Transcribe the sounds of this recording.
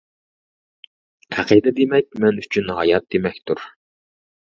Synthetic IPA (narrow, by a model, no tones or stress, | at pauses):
æqʰid̪ɛd̪emɛk̚ʲmɛnyt͡ʃʰynɦɑ̰jɑt̪̚d̪emɛkʲt̪ʰuɾ